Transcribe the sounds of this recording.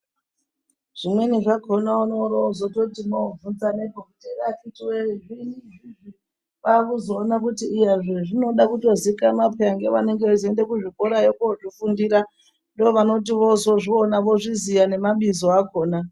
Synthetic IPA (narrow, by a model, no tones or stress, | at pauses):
ʐ̥imwe̞niʐakʰonaunoɾozototimoovunzanepokutirafitiweʐiniʐiʐi | ʋakuzoːnakutiːjeʐeʐino̞ɗakuto̞zikamapʰeaŋɡe̞ʋane̞ŋɡezendekuʐiko̞ɾajokuoʐifundiːɾa | ndooʋano̞t̬iʋo̞zo̞ʐionaʋo̞ʐizijane̞maɓizoakoːna